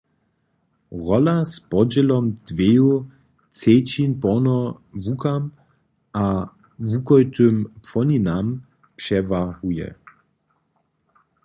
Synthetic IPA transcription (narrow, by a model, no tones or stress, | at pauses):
ʁɔlaspɔd͡ʑɛlɔmd̪̥veju | t͡set͡ɕinpɔnɔvukam | ʔa | vukɔjt̪ʏmpfɔninam | pʂɛvahujɛ̰